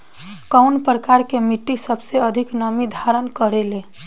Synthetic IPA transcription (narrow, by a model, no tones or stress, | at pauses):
kaʊnpɾəkaɾkemiʈːisəbseəd̪ʱiknəmid̪ʱaɾənkəɾelẽ